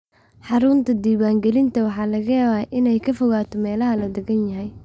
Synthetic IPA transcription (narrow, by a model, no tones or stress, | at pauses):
ħɑɾʊnt̪ʰɐd̪iːwaːŋɡɛlɪnt̪ʰɐwɑħɑːlɐɣɐjaːβaːʔɪnɛjkʰɐfɔɣaːt̪ʰɔmɛːlɐɦɐlɐd̪ɛɣɐnjɐɦɛj